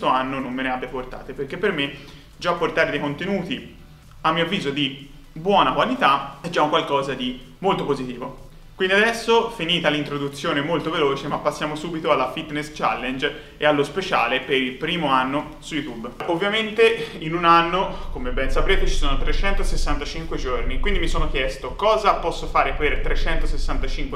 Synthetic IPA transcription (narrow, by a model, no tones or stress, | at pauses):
est̪oanːonomːeneabjaport̪a̰ːt̪eperk̟epːerme | d͡ʒaːpːort̪aːɾed̪ejkont̪enuːt̪i | amːiːoavːiːzod̪i | bwɔːnakwalit̪aɛd͡ʒauŋkwalkɔːzad̪i | molt̪opozit̪iːvo | kwind̪iad̪ɛsːofiniːt̪alint̪ɾod̪ut̪sːjoːnemolt̪oveloːt͡ʃemapːasːjaːmosuːbit̪oalːafit̪nest͡ʃa̰lːend͡ʒ | ealːospet͡ʃa̰ːlepeɾilpɾiːmoanːo | sujut̪ubovːjament̪einunanːokomebɛnsapɾeːt̪et͡ʃi̥soːnot̪ɾet͡ʃɛnt̪osesːant̪at͡ʃiŋkwed͡ʒornikwind̪imisoːnok̟jɛst̪okɔːzapɔsːofaːɾepert̪ɾet͡ʃɛnt̪osesːant̪at͡ʃiŋkwe